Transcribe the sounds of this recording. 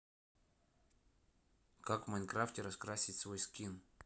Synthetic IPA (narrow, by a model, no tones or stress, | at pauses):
kakvmankɾaftʲɪɾɐskɾasʲɪtʲsvojskʲin